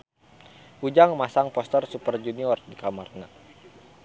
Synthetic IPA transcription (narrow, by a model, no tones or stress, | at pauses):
ʔud͡ʒaŋmasaŋpɔst̪ərsupərd͡ʒuniɔrdikamarna